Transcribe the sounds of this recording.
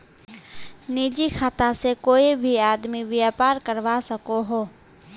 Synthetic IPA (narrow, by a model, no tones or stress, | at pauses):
niːd͡ʒixʰaːt̪asekoːibʱiaːd̪miʋjaːpaːɾkəɾʋasɐkoɦoː